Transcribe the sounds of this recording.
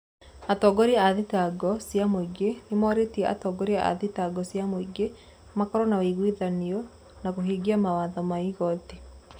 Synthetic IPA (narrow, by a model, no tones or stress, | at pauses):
atɔːɡɔɾiaaðitaɡɔsjamoiɡenemɔɾetiɛʔa̰tɔːɡɔɾiaʔa̰ðitaɡɔsjamoiɡe | makɔɾɔnawiɣwiðaniɔ | nakoɦiːɡiamawaːðɔmaiɣɔti